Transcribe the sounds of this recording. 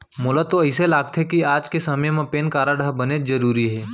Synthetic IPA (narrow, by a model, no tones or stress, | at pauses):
mʊlat̪oəɪselaːɡ̚t̪ʰekiaːd͡ʒkesɐməjmẽpeːnkaːɾaɖaɦbɐnezɐɾuːɾiɦɛː